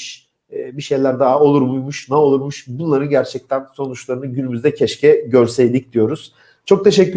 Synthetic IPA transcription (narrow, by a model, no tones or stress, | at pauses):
ʃ | biʃe̞jlʲæɾd̪aɦao̞lˠuɾmujmuʃnɛo̞lˠuɾmuʃbunlˠaɾɯnɟæɾt͡ʃʰɛc̚t̪ʰænso̞nut͡ʃlˠaɾɯnɯɟynymyzd̪ɛcʰɛʃcʰɛɟø̞ɾsejd̪ʲicd̪̥ijo̞ɾuz̥ | t͡ʃʰo̞k̚t̪ʰe̞ʃɛcːy